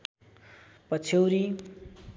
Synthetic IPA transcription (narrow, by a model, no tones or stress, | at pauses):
pʌt͡sʰʌwɾi